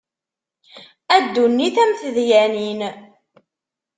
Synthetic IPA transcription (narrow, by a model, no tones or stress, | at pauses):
æd̪ːunːiθæmθəðjænin